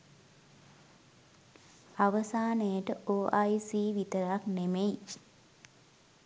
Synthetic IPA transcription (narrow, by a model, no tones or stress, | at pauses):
aʋəsaːnəjəʈəʔoːʔajsiːʋit̪əɾaknemej